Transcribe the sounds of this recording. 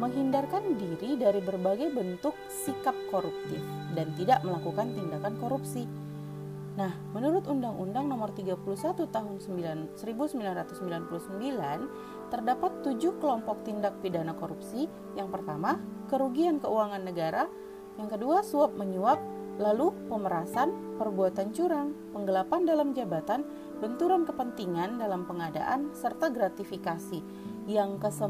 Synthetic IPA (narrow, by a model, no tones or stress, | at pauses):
məŋɦindarkandiɾidaɾibərbaɡajbənt̪ʊk̚sikap̚koɾup̚t̪ɪf | dant̪idaʔməlakukant̪indakankoɾupsi | nahmənuɾʊt̪undaŋʔṵndaŋnɔmɔrt̪iɡapulusat̪ut̪aɦʊnsəmbilansəɾibusəmbilanrat̪usːəmbilanpulusəmbilan | t̪ərdapat̪ːud͡ʒukəlɔmpɔk̚t̪indak̚pidanakoɾupsi | jaŋpərt̪amakəɾuɡiankəuaŋanːəɡaɾa | jaŋkəduasuap̚məɲuap̚ | lalupəməɾasanpərbuat̪ant͡ʃuɾaŋpəŋɡəlapandalamd͡ʒabat̪an | bənt̪uɾankəpənt̪iŋandalampəŋada̰ʔansərt̪aɡɾat̪ifikasi | jaŋkəsə